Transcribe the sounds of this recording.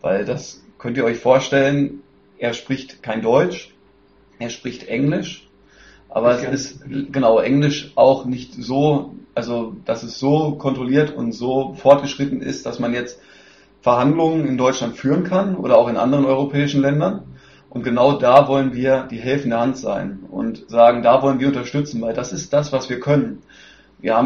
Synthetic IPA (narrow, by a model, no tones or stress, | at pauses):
va̰ɪldas | kʰœntiːɐɔʏçfoːɐʃtɛlən | ʔeːɐʃpʁ̥ɪçtkʰaɪndɔʏt͡ʃ | ʔeːɐʃpʁ̥ɪçtʔɛŋlɪʃ | ʔa̰ːbɐɛsɪstɡ̥ənaʊʔɛŋlɪʃʔaʊxnɪçtz̥oːʔalzod̥asɛsz̥oːkʰɔntʁ̥oliːɐtʰʊ̰ntz̥oːfɔɐt̚ɡ̥əʃʁ̥ɪtn̩ɪ̰std̥asmanjɛt͡st | fɛɐɦandlʊŋənɪndɔʏt͡ʃlantfyːʁənkʰanʔo̰ːɾɐaʊxɪnʔa̰ndəʁ̞ənʔɔʏʁ̞opʰɛːɪʃn̩lɛndɐn | ʔʊnt̚ɡ̥ənaʊdaːvɔlənviːɐd̥iːɦɛlfn̩deːɐhantz̥a̰ɪnʔʊ̰ntz̥aːɡŋ̩daːvɔlənviːɐʊntɐʃtʏt͡sn̩vaɪldasɪst̚d̥asv̥asv̥iːɐkʰœnən | viːɐhaːm